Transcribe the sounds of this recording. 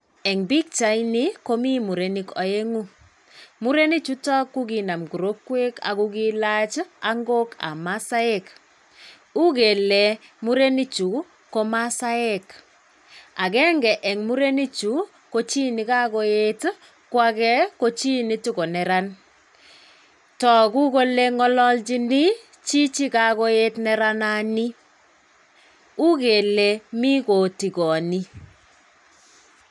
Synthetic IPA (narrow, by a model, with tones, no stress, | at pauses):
ɛ˨ŋbi˦k̚t͡ʃa˨jni˦ko˦mi˦mu˨ɾe˨ni˦kɔ˨je˦ŋu˦ | mu˦ɾe˦ni˦t͡ʃu˦ta˦kːu˦ɡi˨na˨mɡu˨ɾo˦kːwe˦ka̰˨ku˦ɡi˦la˦t͡ʃa˦ŋɡo˦ka̰˨ma˦sa˦ɛ˦k | u˦ke˨lɛ˨mu˦ɾe˦ni˦t͡ʃu˨ | ko˦ma˦sa˦ɛ˦k | a˨kɛ˦ŋɡɛ˨ʔɛ˨ŋmu˦ɾe˦ni˦t͡ʃu˨˦ | ko˦t͡ʃi˦ni˨ka˦ko˦e˦t | kwa˦kɛ˦ko˦t͡ʃi˦ni˦tu˦ko˨nɛ˨ɾa˦n | tɔ˨ku˦ko˦le˦ŋɔ˦lɔ˦lt͡ʃi˦ni˦ | t͡ʃi˦t͡ʃi˦ka˨ko˦e˦tnɛ˦ɾa˦nani˦ | u˦ke˨le˨mi˦ko˨ti˨kɔ˨ni˦